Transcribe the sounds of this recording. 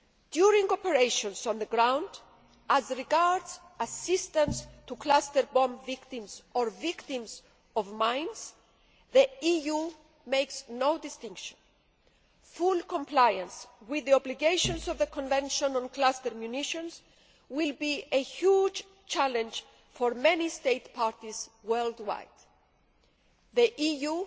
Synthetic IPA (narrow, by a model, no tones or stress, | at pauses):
d̪̥juɾĩŋɡɔpeɹejʃɔ̃nzɔ̃nðəɡɹãw̃nd | əzɹiɡaɹdz | ɐsist̪ə̃nst̪uklast̪əɹbɔ̃mvikt̪ĩmzɔɹvikt̪ĩmz | ɔvmãj̃nz̥ | ðiiju | mejksnowd̪ist̪ĩŋkʃɔ̃n | fulkɔ̃mplajə̃nswiððiɔbliɡeɪʃɔ̃nsɔvðəkɔ̃nvɛ̃nʃɔ̃nɔ̃nklast̪əɾmjuniʃɔ̃nz | wilbiehjud͡ʒ | t͡ʃælɛ̃nd͡ʒ | fɔɹmɛ̃nist̪eɪt̪pʰaɹt̪izwɜld̪wa̰jd̪̥ | ðiʔiju